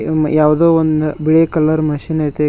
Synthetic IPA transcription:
jaːʋd̪oːond̪biɭekɐləɾmɐʃinajt̪e

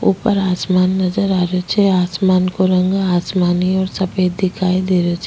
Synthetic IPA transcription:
ṵpəɾaːsmaːnːɐd͡ʒəɾaːɾot͡ʃʰeaːsmaːnkoɾə̃ŋɡaːsmaːniɔːɾsɐpeːd̪ɪkaːid̪eːɾot͡ʃʰe

